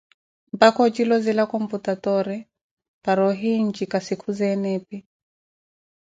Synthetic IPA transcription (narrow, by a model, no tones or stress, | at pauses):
mbakɔt͡ʃilɔzilakɔmputatɔɾɛ | paɾɔɦiɲd͡ʒikasikʰuzɛnɛpi